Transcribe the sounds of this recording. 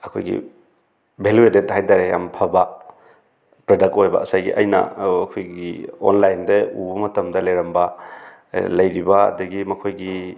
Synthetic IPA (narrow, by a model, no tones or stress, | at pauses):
ɐkʰo̰jɡḭ | bʱeluedet̚hajdaɾeja̰mpʰaba | pɾɐdɐk̚tojbɐ̰ɐsajɡḭʔɐjnɐ̰ɐkʰojɡio̰nlajndeubɐmɐtɐmdɐlɐjɾɐmbɐ | lɐjɾibɐɐ̰dɐɡimɐkʰojɡi